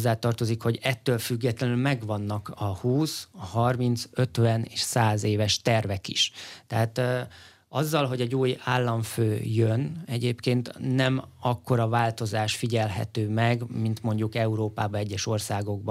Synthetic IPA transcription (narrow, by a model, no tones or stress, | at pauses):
zːaːt̪ɒrt̪o̞zikho̞ɟɛt̪ːøːlfyɡːɛt̪lɛnylmɛɡʋɒnːɒkɒhuːshɒrmint̪sø̞t̪ʋɛneːʃsaːzeːvɛʃt̪ɛrvɛkḭʃt̪ɛɦaːt̪ | ɒzːɒlɦo̞ɟɛɟoːjaːlːɒɱføːjønɛɟeːpkeːnt̪ːɛmɒkːo̞ɾɒvaːlt̪o̞zaːʃfiɟɛlɦɛ̰t̪øːmɛɡmint̪mo̞ɲɟukɛuɾoːpaːbɒɛɟːɛʃo̞rsaːɡo̞ɡ̚b